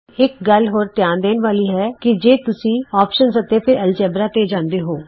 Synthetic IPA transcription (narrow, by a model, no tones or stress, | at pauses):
ɪk̚ɡəlɦoːɾt̪jãːnd̪eːnʋaːliːɦɛːkɪd͡ʒeːt̪ʊsĩːaːpʃənsət̪eːpʰɪɾɛlt͡ʃɛːbɾaːt̪eːd͡ʒãːnd̪eːɦoː